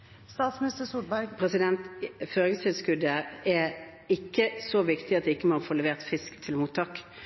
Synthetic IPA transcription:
st̪ɑːt̪smnɪst̪əsud̪bɑpʰʁɛsɪd̪ɛnt̪føːʁɪŋst̪ʰɪlskʉd̪əɛ | ɪkːəsɔʋɪkt̪ɪɑt̪̚d̪ɛɪkːəmɔfoːlɛʋeːʁt̪fɪskt̪ʰɪlmuːt̪ʰːɑːk

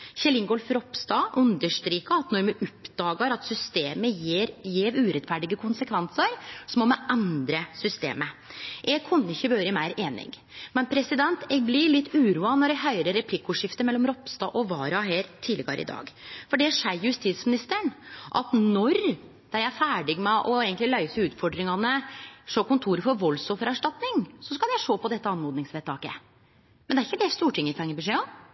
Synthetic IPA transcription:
çɛlɪŋɡɔlfɾɔpst̪ɑːʔʉnd̪əʂt̪ɾiːkɑɑt̪nɔɾmʉʔɔpd̪ɑːɡəɾɑt̪sʏst̪eːməɾjeːɾʉːɾɛt̪fæɖɪɡəkʰʊnsəkʰʋɛnsəɾsɔmɔmɛʔɛnd̪ɾəsʏst̪ḛːməʔɛɡ̚kʰʊnːəɪçːəbøːɾəmæɪɾʔeːnɪ̰ɡ | mɛnpʰɾɛsɪd̪ɛnt̪ɛːɡ̚blɪɭɪt̪ːʉːɾuːɑnɔɾɛɡɦœʏɾəɾːɛpʰlɪkːʊʂɪft̪əmɛlːɔmɾɔpst̪ɑːʔɔʋɑːɾɑɦeːɾt̪ʰɪləɡɑ̰ɾɪ̰d̪ɑ̰ːɡfɔɖɛʂæɪjʉst̪it̪smɪnɪst̪əɳʔɑ̰t̪nɔɾ | d̪̥æɪæfæːɖɪɡmɛʔɔeːɡənt̪lɪlœʏsəʉːt̪fɔɖɾɪŋɑnəʂoːkʊnt̪ʰuːɾəfɔɾʋɔlsɔfəɾɑʂʈɑt̪nɪŋsɔskɑljæɪʂoːpɔd̪ɛt̪ːəɑnːɔːd̪nɪŋsʋeːt̪ʰɑːkə̰ | mɛnd̪ɛæɾɪçːəd̪ɛst̪uːʈʰɪŋːəfʰɛŋːəbəʂeːɔ

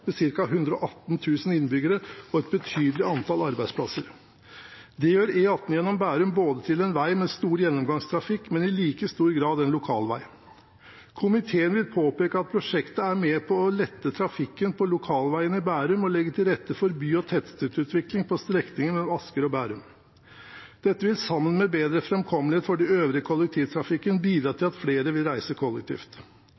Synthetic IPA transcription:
mɛsɪɾkɑɦʉnd̪ɾəɔʔɑt̪n̩t̪ʰʉːsn̩ɪnːbʏɡəɾəɔɛt̪̚bət̪ʰyːd̪lɪɑnt̪ʰɑlɑɾbæɪspʰlɑsəɾ | d̪ɛjøːɾeːɑt̪n̩jɛnːɔmbæːɾʉmboːd̪ət̪ʰɪlɛnʋæɪmɛst̪uːɾjɛnːɔmɡɑŋst̪ʰɾɑfɪkːmɛnɪliːkəst̪uːɾɡɾɑːd̪ɛnlʊkʰɑ̰ːlʋæ̰ɪ | kʰʊmɪt̪ʰeːənʋɪlpʰoːpeːkəɑt̪̚pʰɾʊʂɛkt̪əæɾmɛːpʰɔɔlɛt̪ːət̪ʰɾɑfɪkːənpʰɔlʊkʰɑːlʋæɪənɪbæːɾʉmɔlɛɡːət̪ʰɪlɾɛt̪ːəfɔɾbyːɔt̪ʰɛt̪st̪ʉːt̪ʉːt̪ʰʋɪklɪŋpʰɔst̪ɾɛknɪŋənmɛlɔmɑskəɾɔbæːɾʉm | d̪̥ɛt̪ːəʋɪlsɑmːənmɛbeːd̪ɾəfɾɛmkʰɔməlheːt̪fɔɖɪøːʋɾɪəkʰɔlːɛk̚t̪ʰiːʋt̪ʰɾɑfɪkːənbiːd̪ɾɑːt̪ʰɪlɑt̪fleːɾəʋɪlɾæɪsəkʰɔlːɛk̚t̪ʰḭːft̪

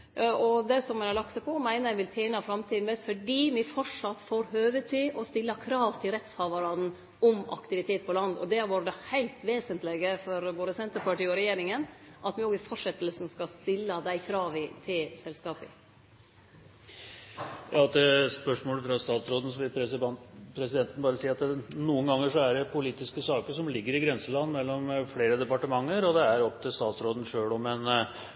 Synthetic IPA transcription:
ɔd̪ɛsɔmɛɑɭɑk̚t̪sɑpʰɔmæɪnəɾæɪʋɪlt̪ʰeːnɑfɾɑmt̪ʰiːd̪nbɛst̪fɔɖiːmɪfɔʂɑt̪ːfoːɾhøːʋət̪ʰyːʔɔst̪ɪlːɑkʰɾɑːʋt̪ʰɪlɾɛt̪shɑʋəɾɑd̪n̩ | ɔmɑ̰kt̪ɪʋɪt̪ʰeːt̪̚pʰɔlɑnd̪ɔ̰d̪ɛæʋuːɾəd̪ɛhæɪlt̪ʋeːsənt̪lɛɡəfɔɾʋoːɾəsɛnt̪əɾpɑʈiːɔɾɛjeːɾɪŋənʔɑt̪ʋɪoːɡɪfɔʂɛt̪ːəlsn̩skɑst̪ɪlːəd̪æɪkʰɾɑːʋɪt̪ʰɪlsɛlskɑːpɪ̰ | jɑːt̪d̪ɛspœʂmoːləfɾɑst̪ɑːt̪sɾoːd̪n̩sɔʋɪl | pʰɾɛsɪd̪ɛnt̪n̩bɑːɾəsiːɑt̪nuːənɡɑŋːəʂɔæɖɛpʰʊliːt̪ɪskəsɑːkəʂɔmlɪɡːəɾɪɡɾɛnsəlɑnːmɛlːɔmfleːɾəd̪ɛpɑʈəmɑŋːəɾɔd̪ɛæɾɔpːt̪ʰɪlst̪ɑːt̪sɾoːd̪n̩ʂøːɭɔmɛn

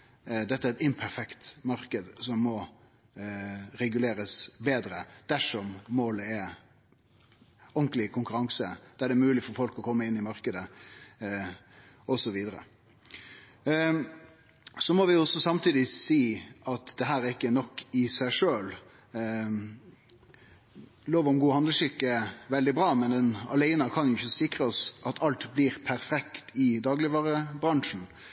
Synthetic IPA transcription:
d̪ɛt̪ːəæɾɛt̪ɪnpʰæɾfɛkt̪mɑɾkəd̪sɔmːɔ | ɾɛɡʉleːɾəsbeːd̪ɾəd̪̥æʂɔmːoːləɛɾ | ɔŋklɪkʰʊŋkʉɾɑŋsəd̪̥ææɖɛmʉːlɪfɔɾfɔlkɔkʰɔmːəɪnːɪmɑɾkəd̪ə | ɔsɔʋiːd̪əɾə̰ | sɔmɔʋɪɔsːɔsɑmt̪ʰiːd̪ɪsiːɑt̪d̪̥ɛɦæːɾæɾɪkːənɔkːɪsæɪʂøːl | loːʋɔmɡuːhɑnləʃʏkːəʋɛld̪ɪbɾɑːmɛnd̪ɛnɑ̰læɪnəkʰɑnjʊɪçːəsɪkɾəɔsʔɑt̪ʰɑlt̪bliːɾpʰæɾfɛkt̪ʰɪd̪ɑːɡlɪʋɑːɾəbɾɑŋʂn̩

